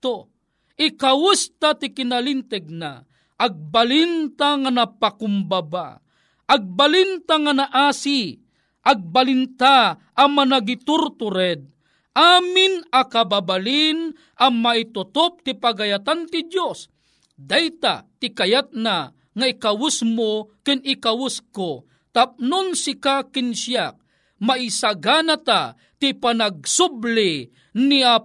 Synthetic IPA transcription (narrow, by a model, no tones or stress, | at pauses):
t̪o | ʔɪkawʊst̪at̪ɪkɪnalint̪ɛɡ̚na̰ | ʔːɡ̚balint̪aŋanapakʊmbaba̰ | ʔaɡ̚balint̪aŋanaʔaːsi | ʔaɡ̚balɪnt̪aʔːmanaɡit̪ʊɾt̪ʊɾɛd̪̚ | ʔaːmɪnakababalin | ʔamait̪ʊt̪op̚t̪ipaɡajat̪ant̪ɪd̪jos | d̪ajt̪a̰t̪ɪkajat̪̚na | ŋaikawʊsmokɪnɪkawʊsko | t̪ap̚nʊnsɪkakɪnʃjak̚ | maisaɡaːnat̪a | t̪ipanaɡ̚sʊbli | nia